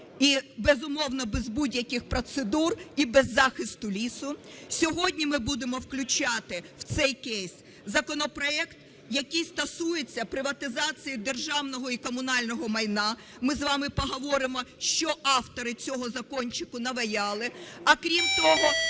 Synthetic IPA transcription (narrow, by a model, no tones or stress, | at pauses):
ibɛzʊmɔwnɐbezbudʲjɐkɪxpɾɔt̪sed̪uribɛzːɑxɪst̪ʊlʲisʊsʲɔɦɔdʲnʲimɪbud̪emɔwklʲʊt͡ʃɑt̪ɪw̥t̪sɛjkɛjsʲ | zɐkɔnɔpɾɔɛkt̪ | jɐkijst̪ɐsujet͡sʲːɐpɾɪʋɐt̪ɪzɑt͡sʲijid̪erʒɑwnɔɦɔikɔmʊnɑlʲnɔɦɔmɐjnɑ | mɪzʋɑmɪpɔɦɔʋɔɾɪmɔʃt͡ʃɔʔɑwt̪ɔɾɪt͡sʲɔɦɔzɐkɔnʲt͡ʃɪkʊnɐʋɐjɑlˠɪɐkɾʲimt̪ɔɦɔ